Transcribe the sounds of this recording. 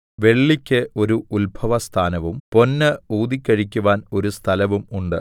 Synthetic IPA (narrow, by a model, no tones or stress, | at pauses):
ʋe̞ɭːikʲːɨʔo̞ɾuulbʱɐʋɐst̪ʰaːnɐʋumpo̞nːɐuːd̪ikʲːɐɻikʲːuʋaːno̞ɾust̪ʰɐlɐʋumuɳɖɨ